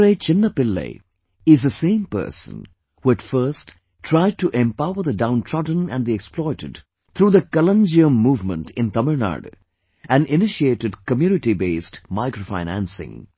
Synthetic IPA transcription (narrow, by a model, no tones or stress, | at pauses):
ɾet͡ʃɪ̃nːəpɪlːḛ | ɪzd̪əsẽɪ̃mpɜ̰ːsə̰̃n | huæʈfɜ˞st | ʈʰɾaɪɖ̚ʈuʔɛ̃mpaʊəɾðədãʊ̃ntʰɹɔdə̃næ̰̃nd̪iɛksplɔɪɾə̰ɖ | t̪ʰɾuːðəkələ̃nd͡ʒiə̃mːuːvmə̰̃nʈʰɪ̃nt̪ʌməɹna̰ɾɖ | æ̃nɪnɪʃieːʈɨɖkəmjuːnɪʈibeːsʈmaɪkɾofa̰ɪ̃næ̰̃nsɪ̰̃ŋ